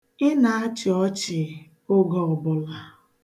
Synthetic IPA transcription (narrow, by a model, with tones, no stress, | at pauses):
ɪ˦na˨a˦t͡ʃɪ˨ɔ˦t͡ʃɪ˨ | ʊ˦ɡɔ˨ɔ˨bʊ˨la˨